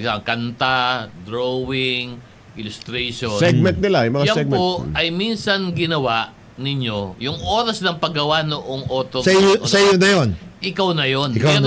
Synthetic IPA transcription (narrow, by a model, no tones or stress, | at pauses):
sabɐkɐnt̪ad̪ɾowɪŋ | ʔɪlʊst̪ɾɛjʃosɛɡ̚mɛnt̪̚nɪlajʊŋmɐŋajɛɡ̚mɛoɐjminsɐnɡɪnɐwaʔ | nɪɲjo̞jʊŋʔo̞ːɾɐsnɐŋpɐɡɐwanʊʔoŋʔo̞ːt̪ossɛjonɐjonʔɪkawnɐjonɪka